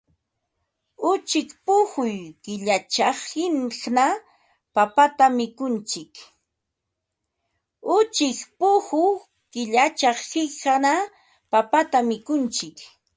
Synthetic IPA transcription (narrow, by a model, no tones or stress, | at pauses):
ʊt͡ʃɪkpʊhʊjkɪʎat͡ʃɑχhɪnχna | papat̪amɪkʊnt͡ʃɪk | ʊt͡ʃɪkpʊhʊ | kɪʎat͡ʃɑχhɪkana | papat̪amɪkʊnt͡ʃɪk